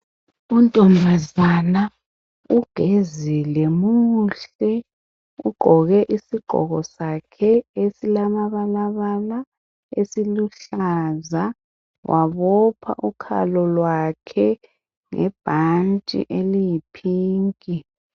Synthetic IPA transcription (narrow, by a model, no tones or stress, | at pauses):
untʼɔmbʱazana | uɡ̥ʱezilɛmuɬɛ | ṵɡ͡ǃʱɔɣɛʔisiɡ͡ǃʱɔ̰ɣɔsakʰɛesilamaβalaβala | esiluɬaza | wʔaβɔpʰa̰ʔukʰa̰lɔlwakʰɛ | ŋɛ̰b̥ʱant͡ʃʼḭʔelijipʰiːŋkʼi